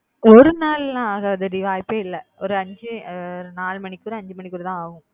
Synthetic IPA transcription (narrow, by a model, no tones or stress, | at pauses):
ɔɾɯnaːllãaːɣaːʋɐðɯɾɪʋaːjpːeːɪlːɛɔɾɯɐɲd͡ʒɯɾnaːlmɐɳɪkːuːɾɯɐɲd͡ʒɯmɐɳɪkːuɾɯt̪ãːaːɣɯ̃